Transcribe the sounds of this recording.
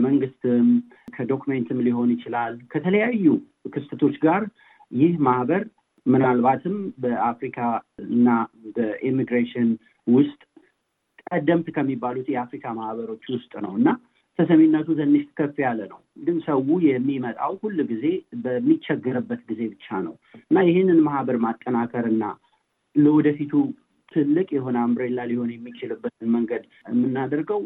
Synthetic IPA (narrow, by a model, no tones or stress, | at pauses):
məŋɡɨst̪ʰɨm | kʰəd̪o̞kʰument̪ʰɨmliɦo̞njɪt͡ʃɪlalkʰət̪ʰələjajːu | kʰɨst̪ʰət̪ʰo̞t͡ʃːɡaɾ | jɪhmahbəɾ | mɨnalbat̪ʰɨmbəʔafɾikʰaɨnːabəʔimiɡɾeʃɪn | wʊst̪ʼ | kʼəd̪əmt̪kʰəmːibːalut̪jɛafɾikʰamahβəɾo̞t͡ʃːwʊst̪ʼnə̰wɨnːa | t̪ʰəsəmenːət̪ʰut̪ʰɨnːɨʃt̪ʰkʰəfːijalːənəwɡɨnsəwujɛmːimət̪ʼa̰whulːɡize̞bəmːit͡ʃːɛɡːəɾɨbːət̪ɡize̞bɨt͡ʃːanə̰wʔɨnːajɪɦenːɨnmahbəɾmat̪ʼːənakʰəɾɨnːa̰ | ləwɔd̪əfit̪ʰu | t̪ʰɨlːɨkʼjɛho̞nəambɾelːaliho̞njɛmːit͡ʃɪlɨbːət̪ʰɨnməŋɡəd̪ | mːɨnːad̪əɾɡəw